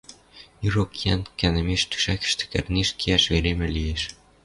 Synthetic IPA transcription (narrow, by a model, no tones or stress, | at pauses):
irokjænkænɘ̆meʃt̪y̥ʃækɘ̥̆ʃt̪ɘ̥̆kɘ̰̆rneʃkʰiæʃβeɾemɘ̆lijeʃ